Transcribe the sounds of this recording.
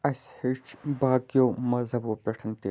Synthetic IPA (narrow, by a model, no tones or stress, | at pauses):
ɐshet͡ʃbaːkjoːmɐzɐboːpʲeʈʰɐnt̪i